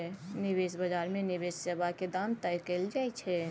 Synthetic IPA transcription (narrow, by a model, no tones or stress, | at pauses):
nɪbesbəd͡ʒaɾmẽnibessəbʱaked̪ãnt̪əjkeld͡ʒaɛt͡ʃʰɛ